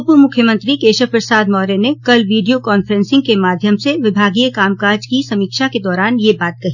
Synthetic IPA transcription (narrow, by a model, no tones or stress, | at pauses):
puːɾmʊkʰjəmə̃nt̪ɾikeːʃəpɾəsaːd̪mɔːɾenekɐlʋiːɖijokɔːnfəɾɛ̃nsɪ̃ŋɡkemaːd̪ʱjəmseʋɪbʱaːɡiːekaːmkaːɾd͡ʒkisɐmiːkʃaked̪ɔːɾaːnjebaːt̪̚kɐɦiː